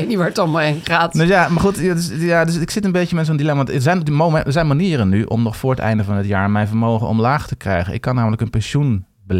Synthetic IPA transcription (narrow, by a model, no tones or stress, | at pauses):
niʋaɹtɔmaenχaːtnojamaːɹχutadsjaːdøsɪksɪtənbejəmɛtsondilɛmaɑntəzɛjnmoəzɛjnmaniːərənːyʔɔ̰mnɔχfʊːɹətɛ̰jndəvɑnətjaːɹmɛjnvəɹmowχə̰nɔ̰mlaːχtəkrɛ̰jχənʔɪ̰kːɑnːaːmələkənpɛnʃun | bəl